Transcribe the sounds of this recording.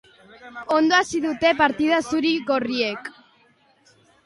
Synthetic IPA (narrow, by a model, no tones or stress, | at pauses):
o̞nd̪oasiðut̪e̞paɾt̪ið̞asuɾiɣo̞rie̞k